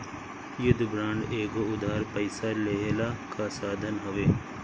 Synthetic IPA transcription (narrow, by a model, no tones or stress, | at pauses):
jʊd̪ʱbɾãːɳɖeːɡoʊd̪ʱaːɾpəɪsaleɦlakʰasaːd̪ʱənɦoʋeː